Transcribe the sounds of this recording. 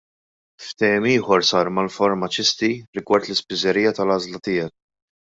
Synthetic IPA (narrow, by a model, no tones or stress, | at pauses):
ft̪ɛjɛmiːħɔɾsɐːɾmɐlfɔɾmɐt͡ʃɪst̪iɾɪɡwɐɾt̪lɪspɪzɛɾiːjɐt̪ɐlɐːzlɐt̪ɪːjɛk̚